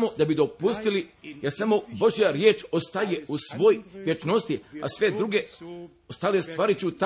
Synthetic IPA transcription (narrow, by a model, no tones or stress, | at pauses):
mo̞d̪abid̪o̞pust̪ilijeɾsamo̞bo̞ʒijaɾjeːt͡ʃo̞st̪aje̞usʋo̞ːjʋjet͡ʃno̞st̪ia̰sʋe̞d̪ɾuːɡe̞ | ost̪alest̪ʋaːɾit͡ɕut̪a